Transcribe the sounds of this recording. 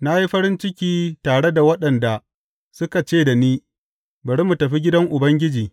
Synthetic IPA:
na˦ji˦ɸɐ˦ɾɪ˦nt͡ʃɪ˦kʲiː˦taː˨ɽe˦da˨wɐ˦ɗɐ˨nda˨ | sʊ˦ka˨t͡ʃeː˦˨da˨niː˦ | bɐ˨ɽi˦mu˨tɐ˨ɸi˦ɡʲɪ˦dɐ˦ŋʔʊ˨bɐ˦ŋɡʲɪ˦d͡ʒiː˨

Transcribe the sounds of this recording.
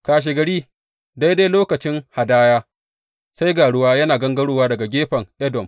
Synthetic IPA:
kaː˨ʃ̬e˨ɡɐ˨ɽiː˦ | da˦jda˦jloː˦kɐ˨t͡ʃɪ˦ŋha˨daː˦jaː˦ | sa˦jɡaː˨ɽʊ˦waː˦jɐ˦naː˨ɡɐ˦ŋɡɐ˦ɽoː˦waː˦dɐ˨ɡa˨ɡʲeː˦ɸɐ˨ŋʔɛ˦dɔ˨m

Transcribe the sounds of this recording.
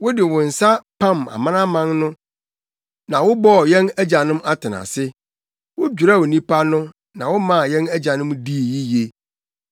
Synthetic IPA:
wʊ˦dɪ˨wʊ̃˨n̩˨sa˦pʰã˦˨ma̰˨mã˦nã˦mã˦nnʊ̃˦ | nã˨wʊ˦bɔ˦˨jɛ̃˦næ˦d͡ʑa˨nɪ̃˦ma˦tʰɪ˨nã̰˨sɪ˦ | wʊ˦d͡ʑᶣu˨ɾa˦˨wʊ˨nĩ˦pa˦nʊ̃˦ | nã˨wʊ˦mã˦˨jɛ̃˦næ˦d͡ʑa˨nɪ̃˦mdi˦˨ji˦je˦

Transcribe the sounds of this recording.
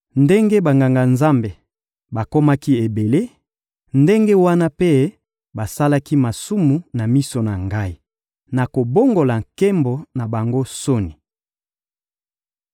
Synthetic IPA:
nde˦ŋɡe˦ba˨ŋɡa˨ŋɡa˨nza˦mbe˨ | ba˨ko˦ma˦ki˦e˨be˨le˦ | nde˦ŋɡe˦wa˦na˦pe˦ | ba˨sa˦la˦ki˦ma˨su˦mu˨na˨mi˦so˨na˨ŋɡa˦i˦ | na˨ko˨bo˦ŋɡo˨la˨ŋke˦mbo˨na˨ba˨ŋɡo˦so˦ni˨

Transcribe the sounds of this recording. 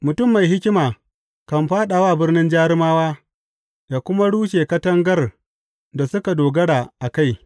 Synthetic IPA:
mʊ˨tʊ˦˨mːa˨jɦɪ˦kʲɪ˦maː˨ | kɐ˨mɸaː˦ɗa˨waː˦˨bɪ˦rnɪ˦nd͡ʒaː˦ɾɪ˦maː˦waː˦ | jaː˨kʷʊ˦ma˦ɽuː˦ʃeː˨kɐ˦tɐ˦ŋɡɐ˦r | da˨sʊ˦ka˨doː˨ɡɐ˦ɽaː˨ʔa˨ka˦j

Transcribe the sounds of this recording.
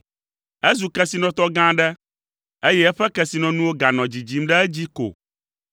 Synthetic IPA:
ɛ˦zu˨kɛ˦si˨nɔ̃˨t̪ɔ˦ɡã˦ɖɛ˦ | e˦jɛ˦ɛ˦ɸɛ˦kɛ˨si˨nɔ̃˨nũ˦wo˦ɡa˨nɔ̃˨d͡ʑi˨d͡ʑi˨˦mɖɛ˦ɛ˦d͡ʑi˦ko̰˨

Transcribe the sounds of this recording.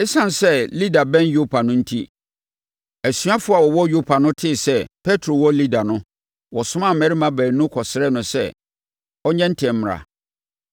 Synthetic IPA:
ɪ˦sã˦n˨sɛ˦li˦da˨bɛ̃˦njo˦pʰa˨nʊ̃˦n̩˦tʰi˦ | æ˨sɥa˦fʊ˦a˨wɔ˨wɔ˦jo˦pʰa˨nʊ̃˦tʰɪ˦˨sɛ˦pʰɛ˦tʰɾo˨wɔ˦li˦da˨nʊ̃˦ | wɔ˨sʊ̃˦mã˦mɛ˨˦ɾi˦mã˨bæː˨nũ˦kʰɔ˨sɪ˨ɾɛ˦nʊ̃˨sɛ̰˦ | ɔ˦ɲɛ̃˦n̩˦tʰɛ̃˨m̩˦m˨ɾa̰˨

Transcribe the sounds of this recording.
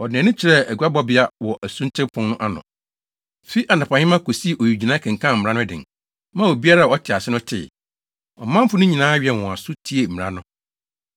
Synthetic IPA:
ɔ˨d̃nʊ̃˦t͡ɕʰɪ˨ɾɛ˦æ˨ɡɥa˦bɔ˦bɪ˦a˦wɔ˨ʔæ˨sũ˦ntʰɪ˦pʰʊ̃˦nʊ̃˦ʔa˦nʊ̰̃˨ | fi˦ʔa˨nã˨pʰã˨hɪ̃˦mã˦kʰo˨si˦˨ʔo˨ɥi˨d͡ʑi˨nã˦kʰɛ̃˨ŋ̩˨kʰã˦˨m̩˨ã˦nʊ̃˦dɪ̰̃˨n | mã˦wo˨bi˦a˦ɾa˦˨ɔ˦tʰɪ˨a˨sɪ˦nʊ̃˦tʰɪ̰˨ | ɔ̰˨mã˦m˦fʊ˦nʊ̃˦ɲĩ˨nãː˨˦ɥɛ˨wɔ̃˨a˨sʊ˦tʰi˦e˨m̩˨mɪ˨ɾa̰˦nʊ̃˦

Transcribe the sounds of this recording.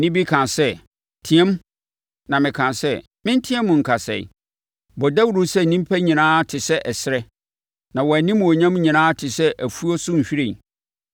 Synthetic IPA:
nɪ̃˦bi˦kʰã˨nsɛ˦ | tʰĩ˨˦ɛ̃˦m | nã˨mɪ̃˨kʰã˨nsɛ˦ | mɪ̃˦n˦tʰĩ˦ɛ˦mːʊ̃˨ŋ̩˨kʰa˨sɛ̰˨ḭ˨ | bɔ˨dɛ˦wu˨ɾu˦sɛ˦˨nĩ˦m˦pʰæ˦ɲĩ˨nãː˦tʰɪ˨sɛ˦ʔɛ˨sɪ˦ɾɛ˦ | nã˨wɔ˨æ˨nɪ̃˦m̃˨ɔ˨ɲã˦m˦ɲĩ˨nãː˦tʰɪ˨sɛ˦ʔæ˨fu˦ɔ˦sʊ˦ɲ̩˨ɕᶣi˦ɾɪ̃˨

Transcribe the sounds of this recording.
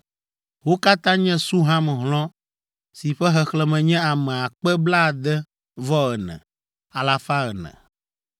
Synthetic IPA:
wo˦ka˦t̪ã˦ɲɛ̃˦su˦ɦã˦mɛ̃˨ɦlɔ̃˦ | si˨ɸɛ˦ɦɛ˨xlɛ˨mɛ̃˨ɲɛ̃˦a˨mɛ̃˨a˨k͡pɛ˦bla˦˨d̪ɛ˦ | vɔ˦ɣɛ˨nɛ̰̃˨ | a˨la˨fa˦ɣɛ˨nɛ̰̃˨

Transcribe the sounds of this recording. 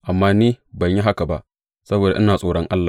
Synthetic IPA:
ʔa˨mːaː˦niː˦bɐ˨ɲji˦ɦa˦ka˨ba˦ʔ | sɐ˦boː˨da˨ʔɪ˦naː˨sʼoː˦ɽɔ˦ŋʔa˦lːaː˨

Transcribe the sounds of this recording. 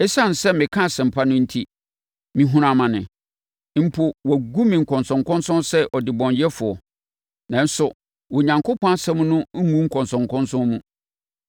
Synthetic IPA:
ɛ˦sã˦˨n̩˨sɛ˦mɪ̃˨kʰã˦˨sɛ̃˨m̩˨pʰa˦nʊ̃˦n̩˦tʰi˦ | mĩ˨ɦũ˦ɾã˨mã˨nɪ̰̃˨˦ | m̩˦pʰʊ˦wa˨ɡu˦mĩ˨ŋ̩˨kʰɔ̃˨nsɔ̃˨ŋkɔ̃˦nsʊ̃˦nsɛ˦ʔɔ˨dɪ˨bɔ̃˨ɲjɛ˦fʊ˨ɔ˨ | nã˨n̩˦sʊ˨ | wo˨ɲã˨ŋkʰʊ˦pʰɔ̃˦a˦sɛ̃˦m˦nʊ̃˦ŋ̩˦ŋũ˦ŋ̩˦kʰɔ̃˨nsɔ̃˨ŋkʰɔ̃˦nsʊ̃˦nmũ˦

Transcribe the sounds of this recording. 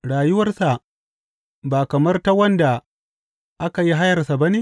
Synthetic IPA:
ɽaː˨jʊ˦wɐ˦rsa˨ | baː˨kɐ˨mɐ˦rta˦wɐ˦nda˨ | ʔa˦ka˨ji˦ɦa˦jɐ˨rsa˨ba˦neː˦

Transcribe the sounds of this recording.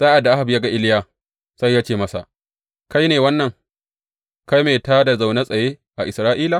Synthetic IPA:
saː˦ʔa˨dːa˨ʔa˦ha˨bjaː˦ɡa˦ʔɪ˦lɪ˦jaː˦˨ | sa˦jːaː˦t͡ʃeː˨mɐ˦sa̰˨ | ka˦jneː˨wɐ˦nːɐ˨ŋ | ka˦jmeː˨taː˦da˨za˨wna˦sʼɐ˨jeː˦ʔa˨ʔɪ˨sɾaː˦ʔiː˦la˨

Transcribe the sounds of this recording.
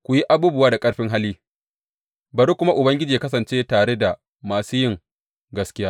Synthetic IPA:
kʷʊ˨ji˦ʔa˦buː˦bʊ˨waː˦da˨kʼɐ˦ɽɸɪ˦ŋɦa˦lːiː˦ | bɐ˨ɾu˦kʷʊ˦ma˦ʔʊ˨bɐ˦ŋɡʲɪ˦d͡ʒiː˨a˦kɐ˦sɐ˨nt͡ʃeː˦taː˨ɽe˦da˨ | maː˨suː˦jɪ˦ŋ | ɡɐ˦skʲɪ˦jaː˦

